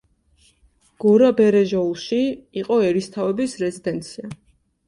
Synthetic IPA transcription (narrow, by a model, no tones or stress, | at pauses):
ɡ̥ɔɾabɛɾɛʒɔulˠʃiːqʼɔɛɾist̪ʰavɛbisɾɛzid̪ɛnt̪sʰia